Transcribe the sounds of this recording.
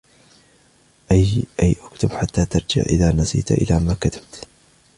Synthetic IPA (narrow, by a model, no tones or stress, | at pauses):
ʔajʔajʔakt̪ʊbħat̪ːaːt̪ɑɾˤd͡ʒɪ̰ʕʔɪ̰ðaːnasḭːt̪ʔɪ̰laːmaːkat̪ʰḁb̥̚t̪